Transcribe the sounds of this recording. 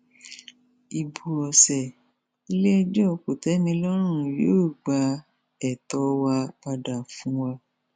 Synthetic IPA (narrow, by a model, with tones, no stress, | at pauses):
i˨bu˨ɔ˨sɛ˨ | i˧˦le˦ɛ˧d͡ʒɛ˦ɔ˨˧˨ko˨tɛ˨˦nĩ˧˦lɔ˦ɾ̃ũ˦˨ji˨˦o˦˨ɡ͡ba˧ | ɛ˨tɔ˨˦wa˧k͡pa˧da˨fũ˦wa˧